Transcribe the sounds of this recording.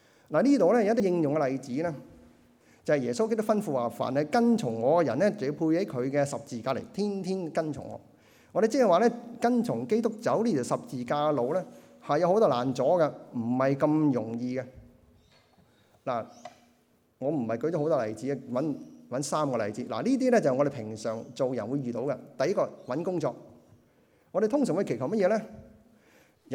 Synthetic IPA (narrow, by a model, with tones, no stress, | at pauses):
laː˨˩liː˥t̪o˨wlɛ˥˩jɐ˨wɐ˥t̪̬ːi˥ɪ˧ŋjʊ˨ŋkɛ˧lɐ˨˧jt͡siː˨˥lɛː˥ | t͡sɐ˨˩hɐ˨jɛː˨˩so˥wke˥t̪ʊ˥kfɐ˥nfuː˧waː˨˩fa̰ː˨˩nɐ˨jkɐ˥nt͡ʃʰʊ˨˩ŋŋɔː˨˧kɛː˧jɐ˨˩nːɛː˥t͡spʰuː˧jhe˨˥jkʰɵ˨˧ɥkɛː˧sɐ˨p̚t͡siː˨kaː˧lḛ˨˩jt̪ʰiː˥nt̪ʰiː˥nkɐ˥nt͡ʃʰʊ̰˨˩ŋɔ̰ː˨˧˦ | ŋɔː˨˧ɾe˨t͡si˥ɐ˨jwaː˨lɛː˥kɐ˥nt͡ʃʰʊ˨˩ŋke˥jt̪ʊ˥k̚t͡sɐ˨˥wliː˥˩˨sɐ˨p̚t͡siː˨kaː˧lo˨˧wlɛː˥ | hɐ˨jːwho˧˥wt̪ɔː˥laː˨˩nt͡sɔː˨˥ɡɛ˧m̩˨˩hɐ˨jkɐ˧mjʊ˨˩ŋjiː˧ɡɛ˧ | laː˨˩ | ŋɔː˨˧m̩˨˩hɐ˨jkɵ˧˥ɥt͡ʃɔ˧˥hwt̪ɔː˥lɐ˨˩jt͡siː˨˥ɛ˧wɐ˨˥nwɐ˨˥nsaː˥mkɔː˧lɐ˨˩jt͡siː˨˥la̰˨˩liː˥t̪̬iː˥lɛ˥t͡sɐ˨hjŋɔ˧de˨jpʰɪ˨˩ŋsœː˨˩ŋt͡so˨wjɐ˨nwuː˨˧jɥyː˨t̪o˨˧˥wkɐ˧t̪ɐ˨˧jɐ˥kːɔː˧wɐ˨˥nkʊ˥ŋt͡ʃɔː˧k̚ | ŋɔː˧ɾe˨jt̪ʰʊ˥ŋsœː˨˩ŋwu˧˥kʰe˨˩t̪ʰwmɐ˥t̚jɛː˨˧lɛː˥˨